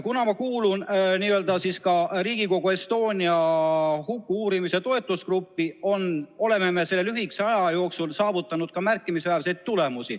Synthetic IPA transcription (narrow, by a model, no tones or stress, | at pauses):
kunɑmɑkuːlunniːøld̪ɑsiskɑriːɡ̥iko̞ɡ̥ue̞st̪o̞ːnʲiɑhukːuuːɾimise̞t̪o̞e̞t̪ːˑuskrupːio̞no̞le̞me̞mese̞lːe̞lyɦiksɑjɑjo̞ːksulsɑːvut̪ːˑɑnud̪̥kɑmærkˑːimisvæːrsejd̪̥̚t̪ule̞musi